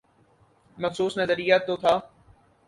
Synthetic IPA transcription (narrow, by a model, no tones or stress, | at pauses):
mɐfsuːsnɐzəɾijat̪ːot̪ʰaː